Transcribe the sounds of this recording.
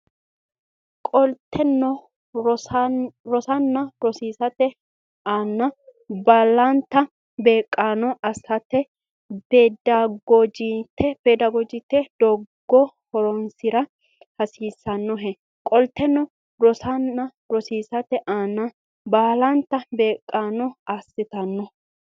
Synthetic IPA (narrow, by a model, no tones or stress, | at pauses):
kʼɔlt̪ʰːɛnːɔ | ɾɔsɐnːɐɾɔsiːsɐt̪ɛ | aːnːɐbaːlɐnt̪ːɐ | beːkʼːaːnɔʔɐsɐt̪ːɛ | beːd̪aɡod͡ʒit̪ʰːɛpɛd̪ɐɡɔd͡ʒɪt̪ːɛd̪ɔɡːɔ | hɔɾɔnsɪɾɐ | hɐsiːsːɐnːɔɦɛ | kʼɔlt̪ːɛnːɔ | ɾɔsɐnːɐ | ɾɔsiːsɐt̪ɛʔaːnːɐ | baːlɐnt̪ːɐbe̞ːkʼːaːnɔɐsːɪt̪ɐnːɔ